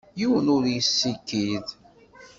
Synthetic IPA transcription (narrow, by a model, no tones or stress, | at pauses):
juwənʊɾjəsːikːið